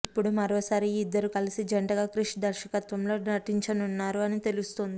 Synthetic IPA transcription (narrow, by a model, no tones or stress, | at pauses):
ipːuɽumɐɾo̞ːsaːɾiːd̪ːɐɾukɐlisid͡ʒɐɳʈɐɡaːkɾuʂɐd̪ɐɾʃɐkɐt̪ʋɐmlo̞ːɐʈiɲt͡ʃɐnunːaːɾuɐnit̪e̞lust̪ond̪i